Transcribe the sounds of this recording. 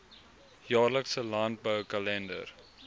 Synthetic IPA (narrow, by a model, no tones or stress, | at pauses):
jɑːrləksəlant̚bəwkɐlɛndə̰r